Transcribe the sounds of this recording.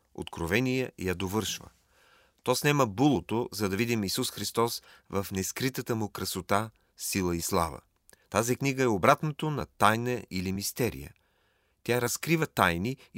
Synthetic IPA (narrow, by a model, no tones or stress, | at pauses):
o̰t̪kɾovɛnijɛjɐd̪ovɤɾʃvə̰ | t̪ɔsnɛməbulˠot̪ozɐd̪ɐvid̪imisusxɾist̪ɔsvɐfnɛskɾit̪ət̪əmʊkɾɐsot̪a | silˠəislˠa̰və̰ | t̪azikniɡəɛobɾat̪nət̪onɐ̰t̪ajnəilimist̪ɛɾḭjə̰ | t̪ʲjaɾɐskɾivət̪ajni